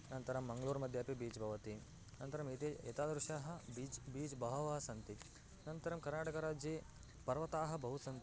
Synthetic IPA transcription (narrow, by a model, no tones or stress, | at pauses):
nɐnt̪ɐɾɐmːɐŋɡɐluːɾmɐd̪ʱjaːpibiːt͡ʃbʱɐʋɐt̪i | nɐnt̪ɐɾɐmit̪ejɐ̰t̪aːd̪ɾuʃaːɦɐ̆biːt͡ʃbiːd͡ʒbʱɐʋɐʋaːɐsɐnt̪i | nɐnt̪ɐɾɐmkɐɾnaːʈɐkɐɾaːd͡ʒjeː | pɐɾʋɐt̪aːɦɐ̆bɐɦusɐnt̪i